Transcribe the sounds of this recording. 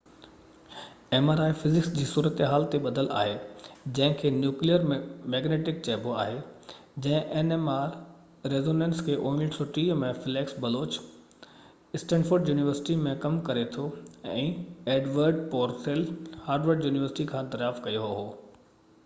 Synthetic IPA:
eːmaːɾaːifɪzɪksd͡ʑiːsuːɾət̪ɦaːlt̪eɓɐd̪ʱəla̰ːɦed͡ʑɐ̃ɦɪ̃kʰeːnjuːklijəɾmɛːɡneːʈɪk̚t͡ɕɛːboaːɦe | d͡ʑɐ̃ɦɪ̃ʔenemaːɾ | ɾeːzoːnẽːnskʰeːʔoːmɪlɖsʊʈiːmẽfɪleːksbɐloːt͡ɕ | ɪsʈɛ̃ːnɖfoːɾɖjuːnɪʋəɾsɪ̥ʈimẽkɐmkɐɾet̪ʰoɛ̰̃ːeːɖʋəɾɖpɔːɾselhaːɾɖʋəɾɖjuːnɪʋəɾsɪ̥ʈikʰãːt̪ɐɾjaːfkɐjoɦoɦoː

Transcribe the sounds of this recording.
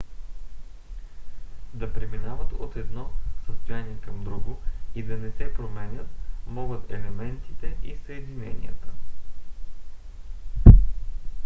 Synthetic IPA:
d̪ɐpɾɛminavət̪ot̪ɛd̪nɔsəst̪ojaniɛkɐmd̪ɾuɡoid̪ɐnɛsɛpɾomɛnʲət̪mɔɡət̪ɛlɛmɛnt̪i̥t̪ɛʔisəɛd̪inɛ̰nḭət̪ə̥

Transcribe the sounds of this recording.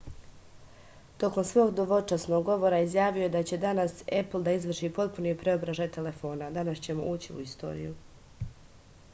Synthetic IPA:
t̪o̞ko̞msʋo̞ːɡd̪oʋo̞t͡ʃasno̞ɡːo̞ʋo̞ɾaizjaːʋijojed̪at͡ɕe̞d̪anasepl̩d̪aizʋr̩ʃiːpo̞t̪punipɾe̞o̞bɾaʒaːjt̪e̞le̞fo̞ːnad̪anast͡ɕe̞moʔuːt͡ɕiṵist̪o̞̰ːɾḭju

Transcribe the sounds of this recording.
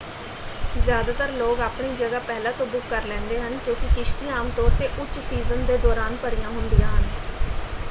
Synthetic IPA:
zjaːd̪aːt̪əɾloːɡaːpɳiːd͡ʒəɡaːpɛɦlãːt̪õːbʊkːəɾlɛ̃ːnd̪eːɦənkjõːkɪkɪʃt̪iːaːmt̪ɔːɾt̪eːʔʊt͡ʃʃsiːzənd̪eːd̪ɔːɾaːnpəɾijãːɦʊnd̪ijãːɦən

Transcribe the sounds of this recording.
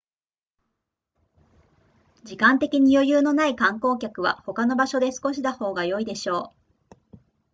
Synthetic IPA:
d͡ʑikãnt̪e̞kʲiɲ̟ijo̞jɯːno̞naikãŋko̞ːkʲakɯ̟β̞a̰ho̞kano̞baɕo̞d̪e̞sɨ̥ko̞ɕid̪aho̞ːɡajo̞id̪e̞ɕo̞ː

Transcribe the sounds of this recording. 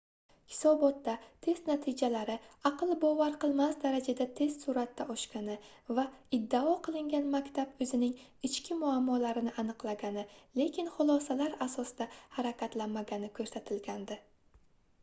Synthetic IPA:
hɪ̥sɒbɒt̪ːat̪ʰe̞st̪nat̪ʰɪd͡ʒalaɾɪɑqɨlˠbɒvaɾqɨlˠmasd̪aɾad͡ʒad̪at̪ʰe̞st̪suɾat̪ːaʔɒʃkʲanɪvaɪd̪ːaɒqʰɨlˠɪŋɡʲanmakʲt̪ʰabɵzɪnɪŋɪt͡ʃkʲɪmʊamːɒlaɾɪnɪʔanɨqlˠaɡʲanɪle̞kʲɪnχʊlˠɒsalaɾasɒsɪd̪ahaɾakʲʰat̪lanmaɡʲanɪkʰɵɾsat̪ʰɪlɡʲand̪ɪ

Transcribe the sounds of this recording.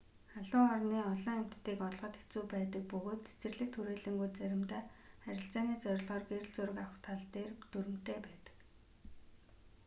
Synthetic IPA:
χaɮʊːɔrniːɔɮɞ̆ŋem̥t̪ːiːkɔɮʁə̆t̪xet͡suːpæːt̪ə̆k̚pɵɣoːt̪t͡se̥t͡sɘ̆rɮɘ̆k̚t̪ʰuɾeːɮɘ̆ŋɡujt͡sæɾʲɪ̆mt̪æːχæɾʲɪ̆ɬt͡ɕaːniːt͡sœɾʲɮʁɔːrɡeɾ̆ɮt͡suɾɘ̆kawxt̪ʰaɮt̪eːrt̪uɾɘ̆m̥t̪ʰeːpæːt̪ə̥̆k

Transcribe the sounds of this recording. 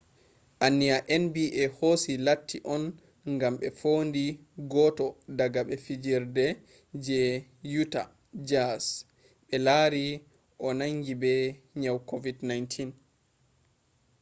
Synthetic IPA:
ʔanːiaʔɛnbiʔɛhosilatʰːiʔɔn | ŋɡamɓɛfondiɡɔtɔdaɡaɓɛfid͡ʒiɾdɛ | d͡ʒɛ | juta̰ | d͡ʒas | ɓɛlaɾi | ʔɔnaŋɡibɛ | ɲawkovidnajntʰin

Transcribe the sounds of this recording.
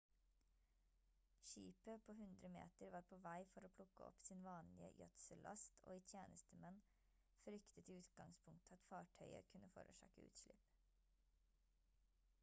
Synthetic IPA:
ʃiːpəpʰoːhʉnd̪ɾəmḛːt̪əɾʋɑːɾpʰoːʋæɪfɔɾoːpʰlʊkəɔ̰psiːnʋɑːnlɪə̰jœt̪səlʔɑ̰st̪ʰo̰ːiːt̪ʰjeːnʔəst̪əmɛn | fɾʏkt̪ət̪ʰɪʉːt̪ɡɑŋspʰʊŋk̚t̪ʰɑt̪fɑːʈʰœʏə̰kʰʉnəfɔ̰ɾəʃɑ̰ːkəʉ̰ːt̪ʃlɪp

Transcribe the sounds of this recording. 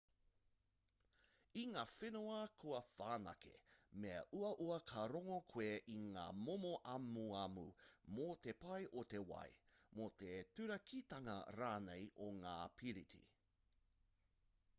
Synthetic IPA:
iŋaːfenoɐkʰuɐfaːnɐ̰kʰḛmeɐ̰ʔuɐʔuɐkʰɐɾoŋokʰweʔiŋa̰ːmomoʔɐmuɐmṵmot̪epɐjʔot̪e̞wɐ̰jmot̪etʉɾɐkʰit̪ɐŋɐ̰ɾaːnejʔoŋaːpʰiɾitʰḭ

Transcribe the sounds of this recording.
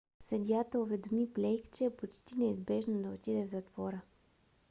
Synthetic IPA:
sɛd̪ʲjat̪əovɛd̪omiplʲɛjkt͡ʃɛːpot͡ʃt̪inɛizbɛʒnod̪ɐot̪id̪ɛvzɐt̪v̥ɔɾə

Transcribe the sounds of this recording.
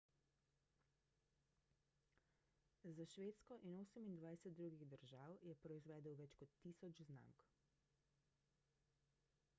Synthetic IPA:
zaʃʋeːt̪skɔʔinoːsəmind̪ʋajsɛt̪̚d̪ɾuːɡiɣd̪əɾʒaːwjɛpɾɔizʋɛːd̪əwʋɛt͡ʃkɔt̪ːiːsɔt͡ʃzna̰mk

